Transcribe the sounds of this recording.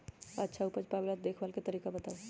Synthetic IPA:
ətːʃʰaupəd͡ʒpabelad̪ekʰbalket̪əɾikabət̪aw

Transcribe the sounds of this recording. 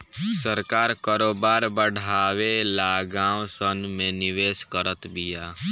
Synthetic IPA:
səɾkaːɾkəɾoːbaːɾbəɽ̤ʱaːwelaːɡãːwsənmẽnɪʋeːskəɾət̪bijaː

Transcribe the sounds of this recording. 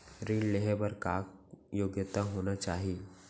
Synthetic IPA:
ɾiːlleɦəbɐɾkaːkjoːɡjət̪aɦoːnat͡ʃaːɦie

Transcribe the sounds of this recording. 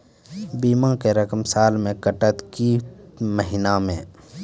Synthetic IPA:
biːmãkeɾəkəmsaːlmẽkəʈət̪kiməɦɪnamḛ̃ː

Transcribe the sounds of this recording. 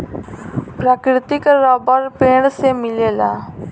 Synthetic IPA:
pɾakɾit̪ikɾɔbəɾpeɽ̃semilela̰

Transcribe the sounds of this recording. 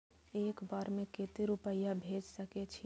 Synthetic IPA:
ekbaːɾmẽket̪iɾupəjabʱed͡ʒsəket͡ʃʰi

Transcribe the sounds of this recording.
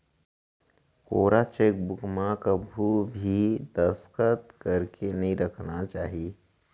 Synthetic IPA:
koːɾat͡ʃeːk̚bʊkmãkabʱubʱid̪əskət̪kəɾkʰenəɦĩɾəkʰnat͡ʃaːɦie

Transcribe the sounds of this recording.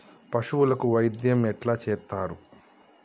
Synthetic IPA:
pɐʂuwulɐkuʋɐjd̪jɐmɛʈlaːt͡ʃɛːt̪ːaːɾu

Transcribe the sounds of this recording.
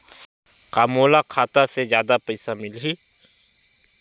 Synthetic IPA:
kaːmoːlakʰaːt̪asezjaːd̪apɐɪsamɪlɦi

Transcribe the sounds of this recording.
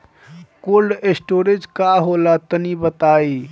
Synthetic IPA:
kolɖesʈoɾed͡ʒkaɦolat̪ənibət̪ai

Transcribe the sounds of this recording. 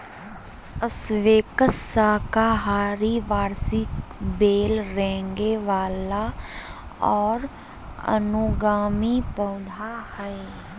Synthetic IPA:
əsʋeːkəsakaɦaːɾiʋaːɾsɪkbeːlɾɛ̃ːŋɡeʋaːla | ɔːɾ | ə̰nuɡaːmipəʊd̪ʱahɛe

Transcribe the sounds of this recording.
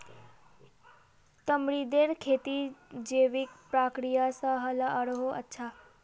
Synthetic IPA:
t̪əmɽid̪eɾkʰet̪id͡ʑeʋik̚pɾakɾijasaɦəlaəɽɦoʔə̰tːʃʰa

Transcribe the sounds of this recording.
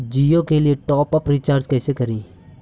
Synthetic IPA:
d͡ʒiːokelieʈɔːpəpɾit͡ʃaːɾd͡ʒkɛːsekɐɾiː

